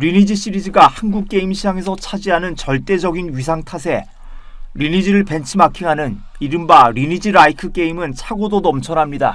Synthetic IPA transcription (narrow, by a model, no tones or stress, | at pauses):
ɾinid͡ʑiɕ͈iɾid͡ʑiɡahanɡuk̚k͈e̞imɕʰid͡ʑaŋe̞sʰʌt͡ɕʰad͡ʑiɦanɯnt͡ɕʌɭt͈e̞d͡ʑʌɡinɥis̬ʰaŋtʰasʰe̞ | ɾinid͡ʑiɾɯɭpe̞nt͡ɕʰimakʰiŋɦanɯn | iɾɯmbaɾinid͡ʑiɾaikʰɯk͈e̞imɯnt͡ɕʰaɡodonʌmt͡ɕʰʌnɦamɲida̰